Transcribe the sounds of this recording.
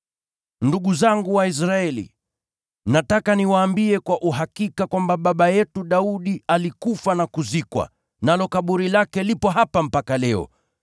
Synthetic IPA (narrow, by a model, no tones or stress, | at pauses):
nduɠuzaŋɡuwais̬ɾaɛlḭ | natakaniwaːmbiɛkwaʔuɦakikakwambaɓaɓajɛtuɗauɗialikufanakuzikwa̰ | nalɔkaɓuɾilakɛlipɔɦapam̩pakalɛɔ̰